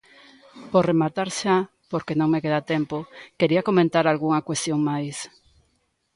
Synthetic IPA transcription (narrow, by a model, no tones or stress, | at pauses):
poremat̪aɾʃa | poɾkenõŋmekeðat̪empokeɾiakomẽnt̪aɾalɣuŋakwest̪joŋmajs